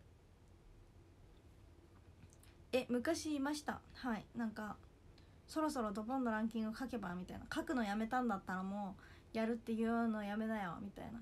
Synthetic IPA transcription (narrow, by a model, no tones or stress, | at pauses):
e̞mɯ̟kaɕiːmaɕi̥t̪a̰hainãŋka | so̞ɾo̞so̞ɾo̞d̪o̞bõ̞nːo̞ɾãŋk̬ʲĩŋɡɯokake̞bamʲit̪aḭnakakɯ̟no̞jame̞t̪ãnd̪at̪ːaɾamojaɾɯ̟t̪ːe̞jɯ̟ːno̞ːjame̞najomʲit̪a̰ḭna